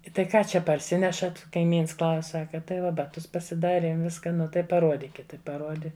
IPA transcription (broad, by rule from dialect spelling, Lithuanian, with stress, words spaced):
ɪ tɐɪ ˈkɑː ˈt͡ʃʲɛ pɐrʲˈsʲɪnʲɛʃɐt kɐɪˈmʲiːns klˠɐʊsʲ ˈsɑːkɐ tɐɪ ˈʋɐ bɐˈtʊs pɐsʲɪˈdɑːrʲiɛm ˈʋʲɪskɐ ˈnʊ tɐɪ pɐˈruɔdʲɪkʲɪt ˈtɐɪ pɐˈruɔdʲɪ